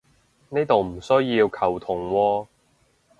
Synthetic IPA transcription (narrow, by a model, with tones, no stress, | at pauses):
ne˥jt̪o˨wm̩˨˩sɵ˥jjiː˧wkʰɐ˨˩wt̪ʰʊ˨˩ŋwɔː˧